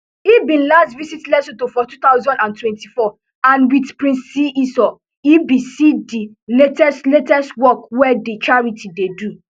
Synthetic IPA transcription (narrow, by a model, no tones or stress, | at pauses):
ibĩnlastvisitlɛsotofɔtut̪aʊzɔ̃ndãntwɛ̃ntifɔ | ãnwidpɹĩnsːiʔisɔ | ibisidi | letɛstletɛstwɔkwɛdit͡ʃaɹitidedu